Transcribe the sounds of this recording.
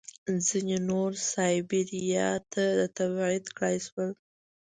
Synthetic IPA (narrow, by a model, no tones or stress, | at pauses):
d͡zinenoɾsɑjbiɾijɑt̪ʰad̪ət̪abʕɪd̪kɽajswəl